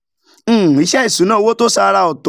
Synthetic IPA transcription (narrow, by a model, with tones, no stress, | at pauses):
i˨˦ʃɛ˦i˦˨su˨˦nãː˦˨˧wo˦to˦sa˧ɾa˧ɔ˨to˨